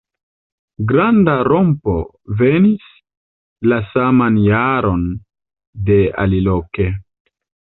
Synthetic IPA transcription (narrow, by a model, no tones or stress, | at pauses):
ɡɾandaɾo̞mpo̞̰ | ve̞nis | lasamanjaɾo̞n | de̞a̰liloke